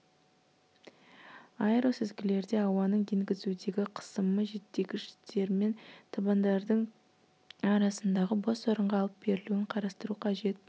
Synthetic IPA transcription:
ɑjɾosɪzɡʲɪle̞ɾd̪e̞ɑwɑnəɴeŋɡʲɪzud̪e̞ɡʲɪqʰə̥səməʒe̞t̪ːe̞ɡʲɪʒɪ̥t̪ʰe̞ɾme̞nt̪ʰɑbɑnd̪ɑɾd̪əɴ | ɑɾɑsənd̪ɑʁəbosoɾəɴʁɑːlˠəp̚be̞ɾɪluɪɴqʰɑɾɑst̪əɾuqʰɑʒe̞t̪̚

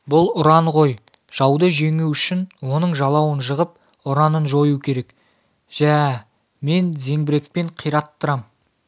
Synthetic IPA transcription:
bʊlˠʊɾɑɴʁo̞j | ʒ̥ɑwd̪əʒe̞ŋuwʏʃɪnwo̞nəɴʒɑlˠɑwənʒəʁəp̚ | ʊɾɑnənʒo̞jukʲʰe̞ɾe̞k | ʒ̥æ | me̞nze̞ŋbɪɾe̞k̚pe̞ɴqʰijɾɑt̪ːəɾɑm

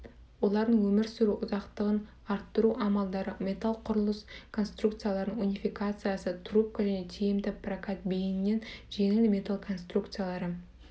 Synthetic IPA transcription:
wo̞lˠɑɾd̪əɴwɵmɪɾsʊɾuʔʊzɑqt̪əʁən | ɑɾt̪ːəɾuʔɑmɑlˠd̪ɑɾəmʲe̞t̪alˠqʰʊɾəlˠəskʰo̞nst̪rukt̪sɨjalˠɑɾənəɴunʲijfikat̪sɨjasət̪ʰrup̚kaʒæne̞t̪ʰejɪmd̪ɪprakat̪̚bejnɪnːe̞nʒe̞ŋɪlmʲe̞t̪alˠkʰo̞nst̪rukt̪sɨjalˠɑɾə

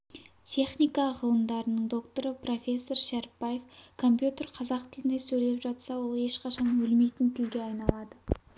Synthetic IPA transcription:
t̪ʲʰe̞χnijkɑʁəlˠəmd̪ɑɾənəɴd̪o̞kt̪o̞ɾəpʰro̞fʲe̞sːo̞rʃæɾpːɑje̞fkʰo̞mpjut̪ʲe̞rqʰɑzɑqt̪ʰinejsɵjle̞pʒɑt̪sɑwo̞lˠe̞ʃqɑʃɑnwɵlme̞jt̪ɪnt̪ʰɪlɡʲeɑjnɑlˠɑd̪ə

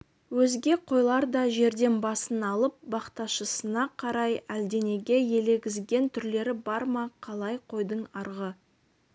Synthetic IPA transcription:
wɵzɡʲe̞qʰo̞jlˠɑɾd̪ɑʒe̞ɾd̪e̞nbɑsənɑlˠəp̚bɑqt̪ɑʃəsənɑqʰɑɾɑjæld̪e̞ne̞ɡʲe̞je̞le̞ɡʲɪzɡʲe̞nt̪ʰʏɾle̞ɾɪbɑɾmɑqʰɑlˠɑjqʰo̞jd̪əɴɑɾʁə

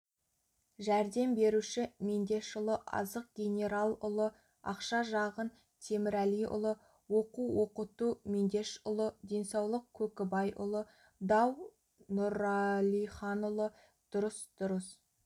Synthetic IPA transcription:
ʒæɾd̪e̞mbe̞ɾuʃɪme̞nd̪e̞ʃʊlˠəʔɑ̰zəq̚ɡʲe̞nʲe̞ɾalˠʊlˠə | ɑ̰qʃɑʒɑʁən | t̪ʰe̞mɪɾælijʊ̰lˠə | wo̞quwo̞qət̪umend̪e̞ʃʊlˠəd̪ʲe̞nsɑwlˠəq̚kʲʰɵkʲɪbɑjʔʊ̰lˠə | d̪ɑw | nʊɾɑlijχɑnʊlˠə | d̪̥ʊɾəsd̪̥ʊɾəs

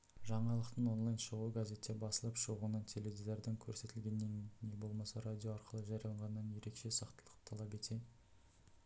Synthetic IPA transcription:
ʒɑɴɑlˠəqt̪əno̞nlˠajnʃəʁuɡazʲe̞t̪ʰʲːe̞bɑsəlˠəpʃəʁunɑnt̪ʰe̞le̞vʲizeɾd̪ɪŋkʲʰɵɾse̞t̪ɪlɡʲe̞nːenːe̞bo̞lˠmɑsɑɾad̪ʲijo̞ɑɾqəlˠəʒɑɾjɑlˠɑɴʁɑnːɑnje̞ɾe̞kʃe̞sɑqt̪əlˠəqt̪ʰɑlˠɑpe̞t̪ʰe̞

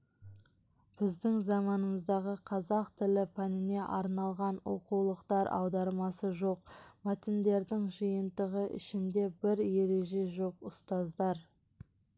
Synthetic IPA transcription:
b̥ɪzd̪ɪŋzɑmɑnəməzd̪ɑʁəqʰɑzɑqt̪ʰɪlɪpʰɑnɪne̞ʔɑɾnɑlˠʁɑnwo̞̰qulˠəqt̪ɑɾɑ̰wd̪ɑɾmɑsəʒo̞q̚mæt̪ɪnd̪e̞ɾd̪ɪŋʒijənt̪əʁəʔɪ̰ʃɪnd̪e̞bɪɾje̞ɾe̞ʒe̞ʒo̞qʊst̪ɑzd̪ɑɾ

